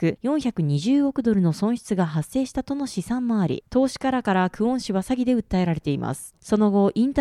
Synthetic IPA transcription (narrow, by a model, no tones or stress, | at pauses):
ɯ̟jõ̞ɰ̃çakɯ̟ɲ̟iʑɨːokɯ̟d̪o̞ɾɯ̟no̞sõɰ̃ɕi̥t͡sɨɡaɦasːe̞ːɕi̥t̪at̪o̞no̞ɕisãmːaːɾʲḭt̪o̞ːɕi̥kaɾakaɾakɯ̟õ̞ɰ̃ɕiβasaɡʲid̪e̞ɯ̟t̪ːae̞ɾaɾe̞t̪e̞imʔa̰sɨ̥so̞no̞ɡo̞ʔĩnt̪